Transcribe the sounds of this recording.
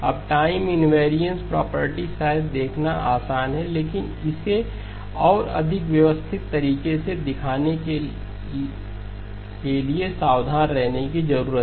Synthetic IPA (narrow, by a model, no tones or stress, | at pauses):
ɐ̰b̚ʈaːɪmɪnʋeːɾijə̃nspɾɔ̰ːpəɾʈisaːd̪eːkʰnaʔaːsaːnɦɛleːkɪn | ɪse | ɔːɾɐ̰d̪ʱɪkʋjɐʋəst̪ʰɪt̪ːɐɾiːkesed̪ɪkʰaːneke | keliesaːwd̪ʱaːnɾɛɦnek̬izɐɾuːɾət̪